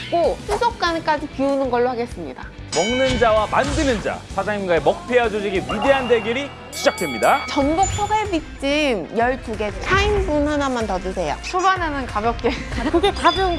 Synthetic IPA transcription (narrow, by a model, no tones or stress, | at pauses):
k͈osʰusʰok̚k͈ank͈ad͡ʑipiunɯnɡʌɭːohaɡe̞s͈ɯmɲida̰ | mʌŋnɯnd͡ʑawamandɯnɯnd͡ʑa̰sʰad͡ʑaŋimɡaemʌk̚pʰead͡ʑod͡ʑiɡewide̞ɦandeɡiɾi | ɕʰid͡ʑak̚t͈we̞mɲidat͡ɕʌnbok̚sʰoɡebit͡ɕ͈imjʌɭt͈uɡe̞t͡ɕʰainbunhanamantʌdude̞jʌ̰t͡ɕʰobananɯnkabjʌk̚t͈ekɯɡekabjʌŋ